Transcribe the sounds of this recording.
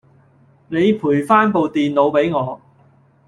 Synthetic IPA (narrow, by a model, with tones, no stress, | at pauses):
ne˨˧jpʰuː˨˩jfaː˥npo˨wt̪iː˨nlo˨˧wpe˨˥jŋɔː˨˧